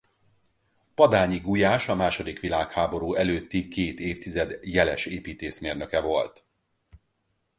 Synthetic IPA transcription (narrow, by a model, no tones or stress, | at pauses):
pɒd̪aːɲiɡujaːʃɒmaːʃo̞d̪ikʋilaːkhaːbo̞ɾuːɛløːt̪ːikeːt̪eːft̪izɛd̪jɛlɛ̰ʃeːpiːt̪eːʃmeːrnø̞kɛvo̞lt̪